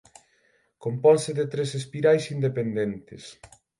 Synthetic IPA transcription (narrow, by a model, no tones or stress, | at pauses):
kompɔlseðet̪ɾesespiɾajsind̪epend̪ent̪es